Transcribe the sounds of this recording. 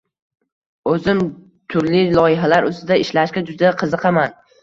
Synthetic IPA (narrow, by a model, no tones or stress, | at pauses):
ɵzɪm | t̪ʰʊɾlɪlˠɒjɪɦalaɾɵst̪ɪd̪aɪʃlaʃkʲad͡ʒʊd̪aqʰɨzɨqʰɑman